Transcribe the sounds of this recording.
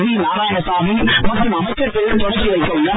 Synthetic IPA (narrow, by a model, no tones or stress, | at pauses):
ðinaːɾaːjɐnɐsaːmimɐʈrɯmɐmɐɪkːɐt̪ːɪɭt̪ɔɽɐkːɪɐlkːɔlːɐ